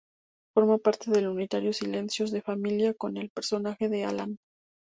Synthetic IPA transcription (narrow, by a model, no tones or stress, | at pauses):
foɾmopaɾt̪e̞ðe̞lunit̪aɾjo̞sile̞nsjo̞zðe̞familjako̞ne̞lpe̞ɾso̞naxe̞ðe̞a̰lan